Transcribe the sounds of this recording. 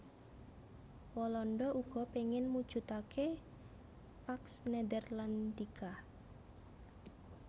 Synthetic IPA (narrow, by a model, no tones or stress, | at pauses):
wɔlɔnɖɔʔuɡ̥ɔ̤peŋɪnmud̥ʒ̥ṳt̪akʰe | paksned̪ərlant̪ika